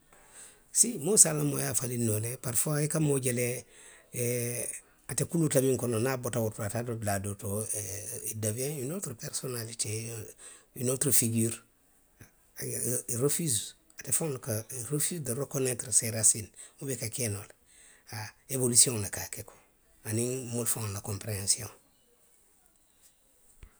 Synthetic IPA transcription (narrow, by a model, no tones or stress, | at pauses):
simosalamojafalinolepaɾfaikamoɟele | atekulutamiŋkononabotawuɾtoatadotladoto | idaviãninotɾpeɾsonalite | inotɾfiɡiːɾ | ɾefiz | atefõŋlkaɾefizdiɾekonetɾseɾasinmubekakenol | aebolisiõŋlekakekʰo̥ | aniŋmolfoŋlakompɾeãnsiõŋ